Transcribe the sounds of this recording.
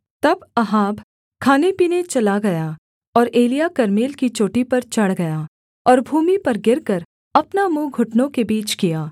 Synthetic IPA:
t̪ɐbɐɦaːbʱ | kʰaːnepiːnet͡ʃɐlaɡɐja | ɔːɾeːlijakɐɾmeːlkit͡ʃoːʈipɐɾt͡ʃɐɽ̤ɡɐjaː | ɔːɾbʱuːmipɐɾɡɪɾkɐɾ | ɐpnamũːɡʱʊʈnõkebiːt͡ʃkijaː

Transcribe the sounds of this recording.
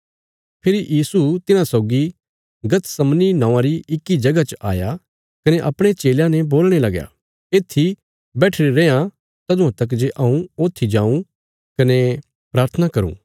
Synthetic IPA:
pʰɪɾijiːsut̪ɪnãsɔːɡi | ɡɐt̪sɐmninãːãɾiɪkːid͡ʒɐɡat͡ʃəʔa̰ːja | kɐneʔɐpɽ̃et͡ʃeːljãnɛboːlɽ̃elɐɡja̰ | eːt̪ʰːi | bɛːʈʰeɾeɾẽːã | t̪ɐd̪ʊ̃ãt̪ɐk̬d͡ʒeʔɐũoːt̪ʰːid͡ʒãːũ | kɐne | pɾaːɾt̪ʰənakɐɾṵ̃ː

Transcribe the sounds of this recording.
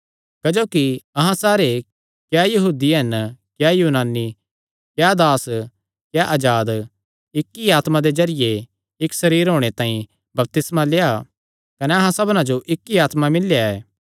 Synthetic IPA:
kɐd͡ʒoːkiɐɦãsaːɾe | kjajɐɦuːd̪iɦɐnkjaːjuːnaːni | kjad̪aːs | kjaʔɐd͡ʒaːd̪ | ɪkːiaːt̪mãd̪ed͡ʒɐɾɪje | ɪksɐɾiːɾɦoːɽ̃et̪ãːĩ | bɐb̚t̪ɪsmaleːa | kɐneɐɦãsɐbnãd͡ʒoʔɪkːiaːt̪mamɪljaɛː

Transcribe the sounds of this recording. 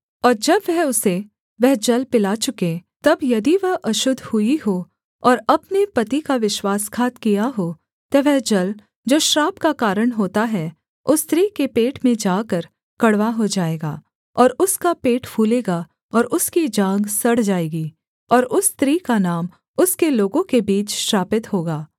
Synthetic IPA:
ɔːɾd͡ʒɐbʋɛɦʊse | ʋɛɦd͡ʒɐlpɪlat͡ʃʊket̪ɐbjɐd̪iʋɐɦɐʃʊd̪ʱhʊiɦoː | ɔːɾɐpnepɐt̪ikaʋɪʃwaːskʰaːt̪kijaɦoː | t̪ɐʋɛɦd͡ʒɐl | d͡ʒoːʃɾaːbkakaːɾəɽ̃ɦoːt̪aɦɛ | ʊst̪ɾiːkepeːʈmẽd͡ʒaːkəɾ | kɐɽʋaɦod͡ʒaːeːɡaː | ɔːɾʊskapeːʈpʰuːleːɡa | ɔːɾʊskid͡ʒãːŋɡsɐɽ̤d͡ʒaːeːɡiː | ɔːɾʊst̪ɾiːkanaːm | ʊskeloːɡõkebiːt͡ʃʃɾaːpɪt̪ɦoːɡaː

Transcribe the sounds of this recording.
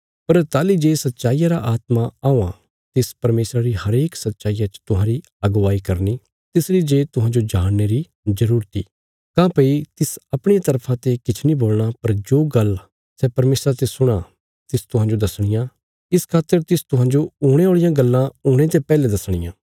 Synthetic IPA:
pɐɾt̪aːlid͡ʒeːsɐt̪ːʃaːijaɾaʔaːt̪maaːõã̰ | t̪ɪspɐɾmeːsɾaɾiɦɐɾeːksɐt̪ːʃaːijat͡ʃə̥t̪ʊɦãːɾi | ɐɡʋaːikɐɾni | t̪ɪsɾid͡ʒeːt̪ʊɦãːd͡ʒod͡ʒaːɽːeɾi | zɐɾuːɾt̪ḭː | kãːpɐit̪ɪsɐpɽ̃eat̪ɐɾpʰãt̪ekɪt͡ʃʰniboːlɽ̃apɐɾd͡ʒoːɡɐl | sɛːpɐɾmeːsɾat̪esʊɽ̃a | t̪ɪst̪ʊɦãːd͡ʒod̪ɐsɽ̃ɪjã | ɪskʰaːt̪ːəɾt̪ɪst̪ʊɦãːd͡ʒooːɽ̃eoːɭɪjãɡɐlːãoːɽ̃et̪epɛːled̪ɐsɽ̃ɪ̰jãː

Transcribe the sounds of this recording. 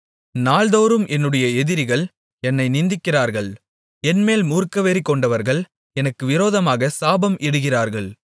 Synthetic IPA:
naːɭðoːɾɯmʔɛnːɯɽɐjɐɛðɪɾɪɣɐɭ | ɛnːɐɪnɪnd̪ɪkːɪraːɾɣɐɭ | ɛnmeːlmuːɾkːɐʋeːɾɪkːɔɳɖɐʋɐɾɣɐɭ | ɛnɐkːɯʋɪɾoːðɐmaːɣɐsaːbɐmʔɛɽɯɣɪraːɾɣɐɭ

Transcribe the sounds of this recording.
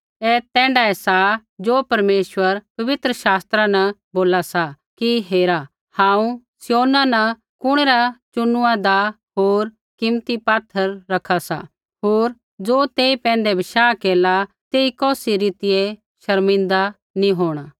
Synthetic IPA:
ɛːt̪ɛ̃ːɳɖaɛsad͡ʒoːpɐɾmeːʃʋəɾpɐʋɪt̪ɾəʃaːst̪ɾãnɛboːlasa | kiɦeːɾa | hãːũ | sɪjoːnanɐ | kʊɽ̃eɾat͡ʃʊnʊãd̪a | ɦoːɾ | kɪmt̪ipaːt̪ʰːəɾːɐkʰasa̰ | ɦoːɾ | d͡zoːt̪eːipɛ̃ːnd̪ebʱɪʃaːkeːla | t̪eːikɔːsiɾiːt̪ɪje | ʃɐɾmɪ̃nd̪a | nĩɦoːɽ̃aː

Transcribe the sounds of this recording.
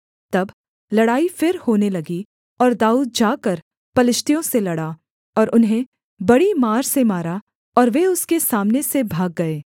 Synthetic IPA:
t̪ɐb | lɐɽaːifɪɾhoːnelɐɡi | ɔːɾd̪aːuːd̪̚d͡ʒaːkɐɾ | pɐlɪʃt̪ijõselɐɽaː | ɔːɾʔʊnɦẽ | bɐɽimaːɾsemaːɾa | ɔːɾʋeʊskesaːmnesebʱaːɡːɐeː

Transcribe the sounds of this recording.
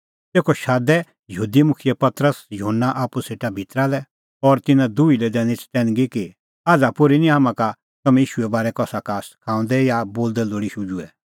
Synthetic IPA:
t̪eːkʰɔʃaːd̪ɛ | jəɦuːd̪imʊkʰjəpɐt̪ɾəsjɔɦənːaʔaːpuseːʈabʱɪt̪ɾalɛ | ɔɾt̪ɪnãd̪uilɛd̪ɛːñit͡ʃt̪ɛ̃ːñɡiki | aːd͡zapʊɾinĩɦamãka | t̪ɐmɛ̃iːʃuɛbaːɾɛkɔsakaːskʰãːʊ̃nd̪ɛjaboːld̪ɛloːɽiʃʊd͡ʒuɛ

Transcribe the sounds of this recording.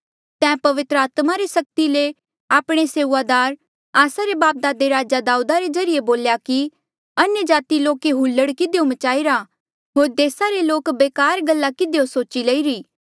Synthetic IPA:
t̪ɛ̃ːpɐʋɪt̪ɾəaːt̪maɾesɐk̚t̪ile | aːpɽ̃eseːʋad̪aːɾ | aːsaɾebaːp̚d̪aːd̪eɾaːd͡ʒad̪aːud̪aɾezɐɾɪjeboːljaki | ɐnjəd͡ʒaːt̪iloːkeɦulːəɽkɪd̪ejomɐt͡ʃaːiɾa | ɦoːɾd̪eːsaɾeloːkbeːkaːɾɡəlːakɪd̪ejosoːt͡ʃileiɾiː

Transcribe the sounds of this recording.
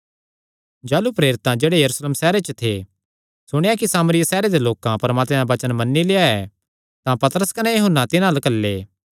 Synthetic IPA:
d͡ʒaːlupɾeːɾɪt̪ãd͡ʒeːɽejɐɾuːsleːmsɛːɾet͡ʃət̪ʰe | sʊɽ̃ejak̬isaːməɾɪjasɛːɾed̪eloːkãpɐɾmaːt̪meaʋɐt͡ʃənmɐnːileaɛ | t̪ãpɐt̪ɾəskɐnɛjɐɦʊnːat̪ɪnãlɐkəlːeː

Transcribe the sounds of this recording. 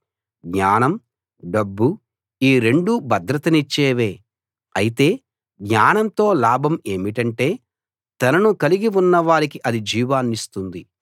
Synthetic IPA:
ɡɲaːnɐm | ɖɐbːu | iːɾe̞ɳɖubʱɐd̪ɾɐt̪ɐnit͡ʃːeːʋe̞ː | ɐjit̪e̞ː | ɡɲaːnɐnt̪o̞ːlaːbʱɐme̞ːmiʈɐɳʈe̞ː | t̪ɐnɐnukɐliɡiunːɐʋaːɾikiʔɐd̪id͡ʒiːʋaːnːist̪und̪i

